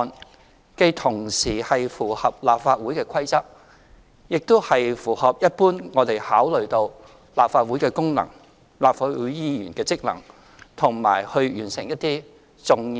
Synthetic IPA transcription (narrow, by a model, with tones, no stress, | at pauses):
n | ke˧jt̪ʰʊ˨˩ŋsiː˨˩hɐ˨jfuː˨˩hɐ˨p̚laː˨pfaː˧t̚wuː˨˥jkɛː˧kʷʰɐ˥jt͡sɐ˥p̚ | jɪ˨k̚t̪o˥hɐ˨jfuː˨˩hɐ˨p̚jɐ˥t̚puː˥nŋɔː˨˧t̪e˨jhaː˨˥wlɵ˨ɥt̪o˧w | laː˨p̚faː˧t̚wuː˨˥jkɛː˧kʊ˥ŋnɐ̰˨˩ŋ | laː˨pfaː˧t̚wu˨˥jjiː˥jyː˨˩nkɛː˧t͡sɪ˥k̚lɐ̰˨˩ŋ | t̪ʰʊ˨˩ŋma̰ː˨˩jhɵ˧ɥjyː˨˩nsɪ˨˩ŋjɐ˥t̚t̪iː˥ | t͡sʊ˨ŋ